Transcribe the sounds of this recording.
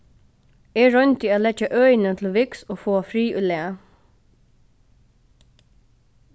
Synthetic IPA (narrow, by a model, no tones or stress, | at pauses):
eːɹœnt̪ioːlɛt͡ʃəʔœʏnət̪ʰl̩ʋɪksoːfoːfɾiːʔʉleː